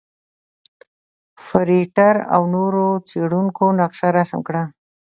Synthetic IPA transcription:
fəɾiʈaɾa̰wnoɾot͡seɽuŋkonaqʃaɾasamkɽa

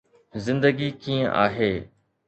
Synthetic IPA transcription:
zɪ̃nd̪əɡikĩːə̃ʔa̰ːɦeː

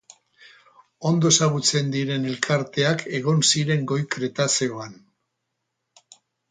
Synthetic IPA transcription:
o̞nd̪o̞saɣut͡se̞nd̪iɾe̞ne̞lkʰaɾt̪e̞ake̞ɣ̞o̞nsiɾe̞ŋɡo̞jkɾe̞t̪aseo̞an

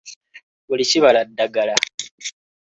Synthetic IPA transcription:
βuliciβaladːaɡala

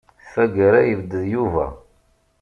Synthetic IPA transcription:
θæɡəɾæjəvəd̪ːəðjuvæ̰

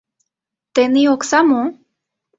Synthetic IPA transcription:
t̪enioksamo

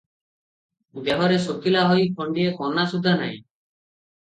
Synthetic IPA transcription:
d̪eɦɔɾesokilaɦɔjkʰɔɳɖiekɔnasud̪ʱːana̰j̰̃

